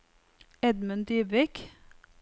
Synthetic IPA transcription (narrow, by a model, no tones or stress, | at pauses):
ɛd̪mənd̪yːbʋɪk